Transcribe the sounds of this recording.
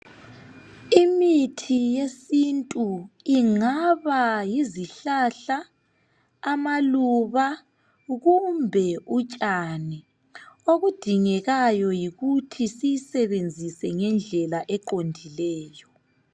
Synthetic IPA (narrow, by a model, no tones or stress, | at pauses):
imitʰijesintʼuiŋaβajiziɬaɬaː | maluβa | ɣumbʱɛut͡ʃʼani | oɣud̥ʱiŋɛɣajɔjiɣutʰisijsɛβend͡zʱisɛŋɛnd͡ɮʱɛlaʔɛǃondʱilɛːjɔ